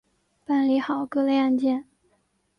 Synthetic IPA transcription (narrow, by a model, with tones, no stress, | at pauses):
pa˥˩nli˧˥xɑ˨˩˦ʊkɤ˥˧le˥˧ɪa˥˧nt͡ɕjɛ˥˩n